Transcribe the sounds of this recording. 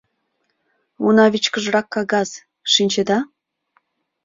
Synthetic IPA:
unɑβʲit͡ɕkə̆ʐrɑkːɑɣɑs | ʃinʲt͡ɕĕd̪ɑ

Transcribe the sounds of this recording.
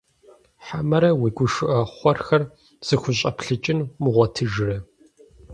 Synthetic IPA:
ħamɐɾɐwiːɡʷʊʃʊʔɐχʷɔrxɐr | z̥ɨxʷʊɕʼɐpɬɨt͡ʃʼɪnmʊʁʷɔtʰɨʒɪrɐ

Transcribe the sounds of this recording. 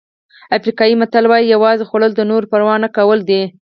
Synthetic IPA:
afɾikɑjimat̪alwɑjijawɑzexoɽəld̪ənoɾpəɾwɑnːakawəld̪e

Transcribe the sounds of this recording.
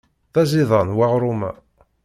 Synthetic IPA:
ðæziðˤɑnwaʁɾˤumæ̰

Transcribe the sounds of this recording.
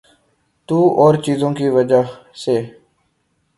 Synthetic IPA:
t̪uːɔːɾt͡ʃiːzõːkiːʋəd͡ʒaːseː

